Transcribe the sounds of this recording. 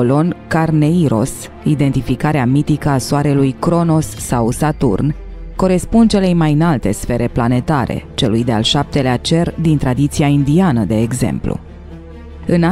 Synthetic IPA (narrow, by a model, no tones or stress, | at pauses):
olo̞nkarne̞iɾo̞̰s | id̪e̞nt̪ifikaɾeamit̪ikəasoaɾe̞lujkɾo̞no̞sːawsat̪ṵrn | ko̞ɾe̞spund̪̚t͡ʃe̞le̞jmajɨnalt̪e̞sfe̞ɾʔe̞plane̞t̪aɾe̞̰t͡ʃe̞lujd̪ea̰lʃap̚t̪e̞leat͡ʃe̞rd̪int̪ɾad̪it̪siaind̪ianəd̪e̞ːɡze̞̰mplṵ | ɨna